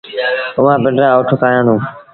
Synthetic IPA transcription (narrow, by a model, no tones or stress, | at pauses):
ʊʋãːbɪɳɖɾaːoːʈʰʊkaːjãːnd̪ũː